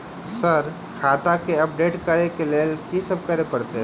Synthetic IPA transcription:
səɾ | kʰaːt̪akeɐp̚ɖeːʈkəɾekeleːlkisəb̚kəɾepɐɾt̪eɦ

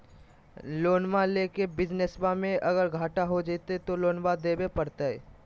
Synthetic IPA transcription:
loːnʋaleːkebɪd͡ʒnesbamẽʔɐɡəɾɡʱaːʈaɦod͡ʒeːt̪et̪oloːnbad̪eːbepɐɾt̪aɦɛ

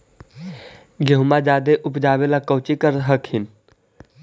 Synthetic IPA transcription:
ɡʱeɦumad͡ʒaːd̪eʔʊpd͡ʒaːbelakəwt͡ʃikəɾɦəkɦin

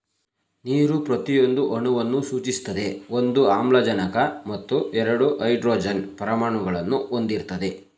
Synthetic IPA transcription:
niːɾupɾɐt̪ijo̞nd̪uʔɐɳuʋɐnːusuːt͡ʃist̪ɐd̪e̞o̞nd̪uaːmlɐd͡ʒɐnɐkɐmɐt̪ːuʔɛɾɐɽuʔɐjɖɾoːd͡ʒɐnpɐɾɐmaːɳuɡɐɭɐnːuʔo̞nd̪iɾt̪ɐd̪e̞

